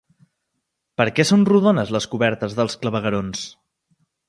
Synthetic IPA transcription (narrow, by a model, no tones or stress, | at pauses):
pəɾkɛsonruðonəzləskuβɛɾt̪əzðəlˠskləβəɣəɾons